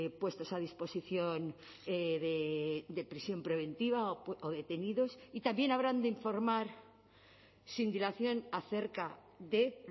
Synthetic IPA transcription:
pwe̞st̪o̞sað̞ispo̞siθjo̞n | eðed̪e̞pɾisjo̞mpɾe̞β̞e̞nt̪iβ̞aoðe̞t̪e̞niðo̞sit̪ambje̞naβɾand̪eiɱfo̞ɾmaɾ | sind̪ilaθjo̞naθe̞ɾka | ðe̞

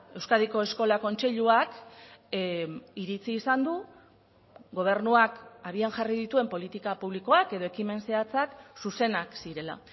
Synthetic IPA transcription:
e̞wskaðiko̞e̞sko̞lako̞nt͡se̞ʎuak | iɾit͡siːsand̪u | ɡo̞β̞e̞rnuakaβianʝarið̞it̪ue̞mpo̞lit̪ikapuβ̞liko̞ake̞ðo̞ekime̞nse̞at͡saksuse̞naksiɾe̞la̰

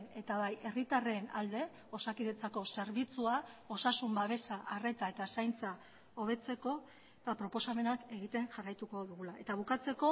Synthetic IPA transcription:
ne̞t̪aβ̞aje̞rit̪are̞na̰ld̪e̞ | o̞sakiðet͡sako̞se̞ɾβit͡suao̞sasumbaβe̞saʔare̞t̪ae̞t̪asajnt͡sa | o̞β̞e̞t͡se̞ko̞ | bapɾo̞po̞same̞nake̞ɣit̪e̞ŋʝarajt̪uko̞ðuɣulae̞t̪aβ̞ukat͡se̞ko̞

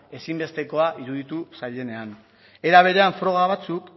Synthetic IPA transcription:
e̞simbe̞st̪e̞ko̞aʔiɾuðit̪usaʎe̞ne̞an | e̞ɾaβ̞e̞ɾe̞aɱfɾo̞ɣ̞aβ̞at͡suk

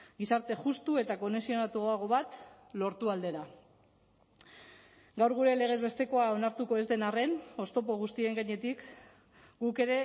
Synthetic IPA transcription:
ɡisaɾt̪e̞ʝust̪ue̞t̪ako̞nesio̞nat̪uaɣ̞o̞βat̪ | lo̞ɾt̪uald̪e̞ɾa | ɡawɾɣ̞uɾe̞le̞ɣ̞e̞zβe̞st̪e̞ko̞ao̞naɾt̪uko̞e̞zd̪e̞nare̞no̞st̪o̞po̞ɣ̞ust̪ie̞ŋɡaɲe̞t̪ik | ɡuke̞ɾe̞

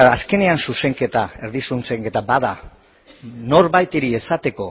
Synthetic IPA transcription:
aske̞ne̞ansuse̞ŋke̞t̪ae̞ɾðisunse̞ŋke̞t̪abaða | no̞ɾβajt̪iɾie̞sat̪e̞ko̞

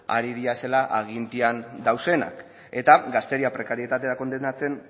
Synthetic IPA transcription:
a̰ɾið̞iase̞laʔaɣint̪iand̪awse̞na̰k | e̞t̪aɡast̪eɾiapɾe̞kaɾie̞t̪at̪e̞ɾako̞nd̪enat͡se̞n

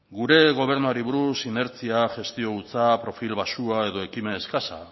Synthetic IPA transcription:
ɡuɾe̞ɣ̞o̞β̞e̞ɾnuaɾiβuɾusine̞ɾt͡siaʝe̞st̪io̞ɣut͡sapɾo̞filβasuae̞ðo̞e̞kime̞ːskasa̰

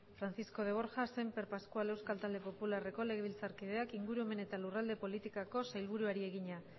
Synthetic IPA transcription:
fɾanθisko̞ð̞e̞β̞o̞ɾxase̞mpe̞ɾpaskuale̞wskalt̪ald̪e̞po̞pulare̞ko̞le̞ɣe̞βilt͡saɾkiðe̞akiŋɡuɾue̞me̞ne̞t̪alurald̪e̞po̞lit̪ikako̞sajlβ̞uɾuaɾie̞ɣiɲa

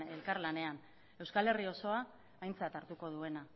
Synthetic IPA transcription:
e̞lkaɾlane̞an | e̞wskale̞rio̞so̞aː | jnt͡sat̪aɾt̪uko̞ð̞ue̞na

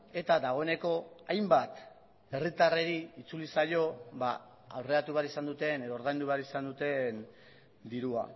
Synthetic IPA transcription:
e̞t̪aðaɣ̞o̞e̞ne̞ko̞ajmbat̪ | e̞rit̪are̞ɾiit͡sulisajo̞βa | awre̞at̪uβeaɾisand̪ut̪e̞ne̞ðoɾð̞ajnd̪uβeaɾisand̪ut̪e̞n | d̪iɾua̰

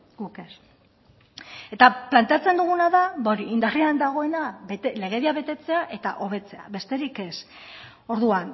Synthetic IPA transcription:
ɡuke̞s | e̞t̪aplant̪e̞at͡se̞nd̪uɣ̞unaðabaoɾiind̪ariand̪aɣ̞o̞e̞naβet̪ele̞ɣ̞e̞ðiaβe̞t̪e̞t͡se̞aʔe̞t̪a̰ʔo̞βe̞t͡se̞a̰βe̞st̪e̞ɾike̞s | o̞ɾðuan

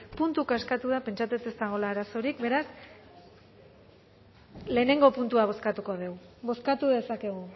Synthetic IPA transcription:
punt̪ukaskat̪uðape̞nt͡ʃat͡s̪et̪e̞zt̪aɣ̞o̞laːɾaso̞ɾikbe̞ɾas | le̞ːne̞ŋɡo̞punt̪uaβ̞o̞skat̪uko̞ðe̞wβo̞skat̪uðe̞sake̞ɣ̞u

